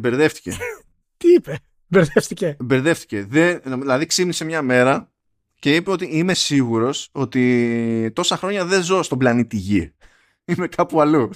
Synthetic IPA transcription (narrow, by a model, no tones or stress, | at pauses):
be̞ɾðe̞ft̪i̥ce | t̪iipe | mbeɾðefθicebeɾðe̞ft̪i̥ce̞ðennomiðilɐðiksipnise̞mɲɐme̞ɾɐ | ce̞ipeo̞t̪iime̞siɣuɾo̞so̞t̪it̪o̞sɐxɾo̞ɲɐðe̞zo̞st̪oblɐnit̪iʝi | ime̞kʰɐpuɐlu